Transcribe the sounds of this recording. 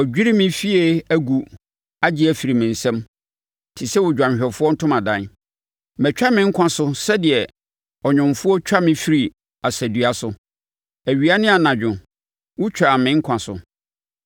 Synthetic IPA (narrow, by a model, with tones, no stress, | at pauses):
ɔ˨d͡ʑᶣi˦ɾi˦mɪ̃˦fi˦e˦æ˦ɡu˨ | a˦d͡ʑɪ˦æ˨fi˨ɾi˨mɪ̃˨n̩˨sɛ̃˦m | tʰi˨sɛ˦wʊ˨d͡ʑᶣã˨m˨ɕᶣɛ˨fʊ˦ɔ˦n̩˦tʰʊ̃˦mã˨dã˨˦ | mɛ˨t͡ɕᶣa˦mɪ̃˦ŋ̩˦kʷʰã˨sʊ˦sɛ˦dɪ˨ɛ˨ | ɔ˨ɲᶣʊ̃˨mfʊ˦ɔ˦t͡ɕʰᶣa˦mɪ̃˦fi˦ɾi˨ | a˨sæ˨du˨a˨sʊ˦ | æ˨ɥi˨a˦nɪ̃˦a˨nã˨d͡ʑᶣʊ̃˨ | wʊ˦t͡ɕʰᶣɾa˨mɪ̃˨˦ŋ̩˦kʷʰã˨sʊ̰˨